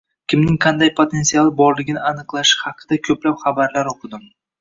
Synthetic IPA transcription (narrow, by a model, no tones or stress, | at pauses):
kʲʰɪmnɪŋqʰɑnd̪ajpʰot̪ʰe̞nsialˠɪbɒɾlɪɡʲɪnɪanɨqlˠaʃɪ̥hɑqʰɨd̪̥akʲʰɵplapχabaɾlaɾoqʰɨd̪ɪm